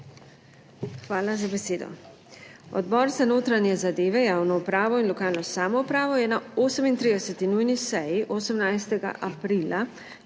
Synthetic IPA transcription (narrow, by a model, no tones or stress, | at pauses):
xʋaːlazabɛseːd̪ɔ̰ | ɔ̰d̪bɔːɾzanoːt̪ɾanjɛzad̪eːʋɛjaːwnɔupɾaːʋɔinlɔkaːlnɔsaːmɔupɾaːʋɔjɛnaoːsəmint̪ɾiːd̪ɛsɛt̪inujnisɛjiʔosəmnajst̪ɛɡa̰ʔapɾiːla